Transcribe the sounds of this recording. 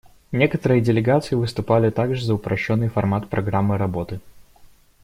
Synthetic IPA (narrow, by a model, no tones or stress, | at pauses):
nʲekət̪əɾɨjədʲɪlʲɪɡat̪sɨjɪvɨst̪ʊpalʲɪt̪aɡʐɨzəʊpɾɐɕːonːɨjfɐrmat̪pɾʔɐɡɾamːɨɾɐbo̞t̪ɨ